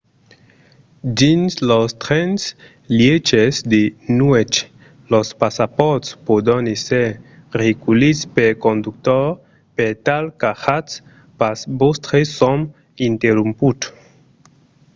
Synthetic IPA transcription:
d̪inslost̪ɾɛns | ljet͡ʃesd̪enuet͡ʃ | lospasapɔt̪spod̪ɔneseɾeɡulispeɾkond̪uk̚t̪ɔɾ | pet̪alkaxats | pasbost̪ɾesɔm | int̪eɾumput̪

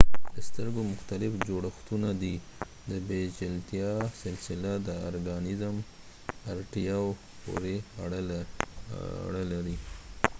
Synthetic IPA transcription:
d̪̥əst̪əɾɡomʊxt̪alɪfd͡ʒoɽaxt̪unad̪i | d̪əbed͡ʒɪlt̪jɑsɪlsɪlad̪əɑɾɡɑnɪzm | aɾʈijɑw | po̰ɾeɽ | ɽəlaɾi

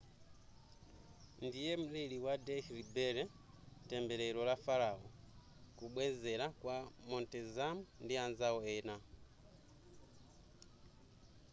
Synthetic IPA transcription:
ndijɛm̩liliwadɛhɾibɛɾɛ | tɛmbɛɾɛlɔlafaɾaɔ | kuɓwɛzɛlakwamɔntɛzamundianzaɔɛna

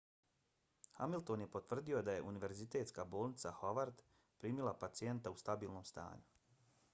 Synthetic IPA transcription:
xamilˠt̪o̞nje̞pot̪ʋr̩d̪io̞d̪aje̞ʔuniʋe̞ɾzit̪e̞ːt̪skabo̞ːlnit̪saxoʋaɾd̪ | pɾiːmilˠapat̪sie̞nt̪aust̪abiːlˠno̞ːmst̪a̰ːɲu

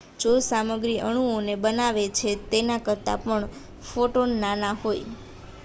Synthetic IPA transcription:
d͡ʒosaməɡɾiʔəɽ̃uonebənaʋet͡ʃʰet̪enakəɾt̪a̰pəɳ | foʈonːanaɦoj

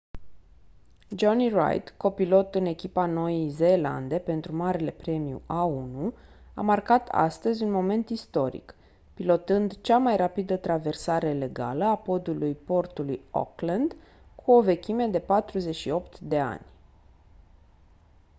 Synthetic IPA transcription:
d͡ʒonira̰jt̪ko̞pilo̞t̪ɨne̞kʲipano̞jize̞ːla̰nd̪e̞pe̞nt̪ɾumaɾele̞pɾe̞mijṵʔaunu | a̰markat̪ʰa̰st̪əzʲunmo̞me̞nt̪ist̪o̞ɾḭk | pilo̞t̪ɨnd̪t͡ʃamajrapid̪ət̪ɾave̞rsaɾe̞le̞ɡa̰ləapo̞d̪ulujpo̞rt̪ulujo̰klənd̪ | kʰuo̞ve̞kʲʰime̞d̪e̞pat̪ɾuze̞t͡ʃʃio̞pt̪d̪e̞a̰nʲ

